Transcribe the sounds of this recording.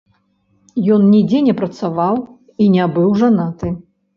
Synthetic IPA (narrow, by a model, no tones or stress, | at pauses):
jɔnnʲid͡zʲɛnʲɛpɾɐt̪savaw | inʲabɨwʐanat̪ɨ